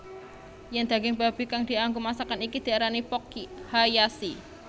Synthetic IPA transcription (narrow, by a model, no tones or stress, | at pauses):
jɛnd̪̥a̤ɡɪŋba̤b̥i̤kaŋd̪̥i̤aŋɡumasakanikid̪̥i̤aɾanipɔkihajasi